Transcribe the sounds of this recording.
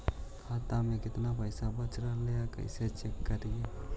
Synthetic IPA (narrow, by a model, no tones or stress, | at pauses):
kʰat̪amẽkɪt̪napəɪsabət͡ʃɾaleakə̰ɪset͡ʃekːəɾie